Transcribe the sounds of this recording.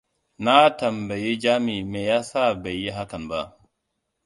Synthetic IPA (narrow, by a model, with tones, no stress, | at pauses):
na˦tɐ˨mba˨ji˦d͡ʒaː˦mi˨meː˨ja˦sa˦˨ba˨jːi˦ɦa˦kɐ˨nba˦